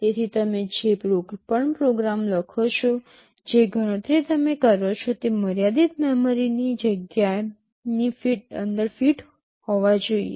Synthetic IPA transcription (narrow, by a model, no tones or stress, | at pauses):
t̪et̪ʰit̪əmed͡ʒepɾopəɳpɾoɡɾamləkʰot͡ʃʰo | d͡ʒeɡʱəɽ̃ə̃t̪ɾit̪əmekəɾot͡ʃʰot̪eməɾjad̪it̪mɛmoɾinid͡ʒəɡja | nifiʈə̰nd̪əɾfiʈ | hoʋad͡ʒoḭḛ